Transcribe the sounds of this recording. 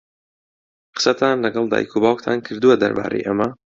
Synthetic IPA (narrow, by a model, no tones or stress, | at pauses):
qɨ̥sɐt̪ʰaːnlɐɡɐlˠd̪a̰ːjkʰubaːkt̪ʰaːnkʰɨɾd̪uwɐd̪ɐ̰ɾba̰ːɾʔḛjʔɐmɐ